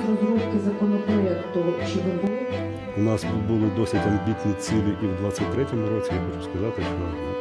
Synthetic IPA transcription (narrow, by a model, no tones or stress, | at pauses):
ɾɔzɾuwkɪzɐkɔnɔpɾɔɛkt̪ːʊɛt͡ʃɔʋʲinbʊlɪ | ʊnɑsfud̪̚bʊlˠɪd̪ɔsʲɪtʲɐmbʲit̪ʲnʲit͡sʲilʲˠɪʔiwd̪ʋat͡sʲːɐt̚ʲt̪ɾɛtʲɔmʊɾɔt͡sʲijaxɔt͡ʃʊ̥skɐzɑt̪ɪʃɔ